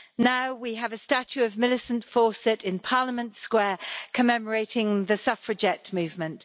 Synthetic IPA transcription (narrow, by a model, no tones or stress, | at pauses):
naʊwiəvəstat͡ʃʉəvmɪlɪsə̃ntfɔˑsɛtʰɪ̃npʰɑːləmə̃ntskwɛːkʰəmɛməɹeɪtʰɪ̃ŋðəsʌfɹəd͡ʒɛʔmʉːvmə̃nt